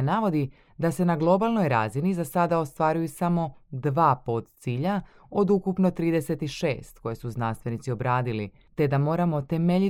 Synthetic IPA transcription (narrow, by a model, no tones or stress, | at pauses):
naʋo̞d̪i | d̪ase̞naɡlˠo̞balˠno̞jɾaːzinizasad̪ao̞st̪ʋaɾujusamo̞d̪ʋaːpot̪t̪siːʎa | o̞d̪ukupno̞t̪ɾiːd̪e̞se̞t̪iʃḛːst̪ko̞jesuznanst̪ʋe̞nit̪sio̞bɾaːd̪ili | t̪e̞d̪amo̞ːɾamo̞t̪e̞meʎi